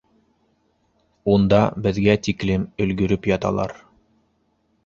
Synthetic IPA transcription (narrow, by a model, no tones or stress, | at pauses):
und̪ɑbɘ̆ðɡæt̪iklɘmɵ̆lɡɵ̆ɾɵpjɑt̪ɑ̰lˠɑ̰ɾ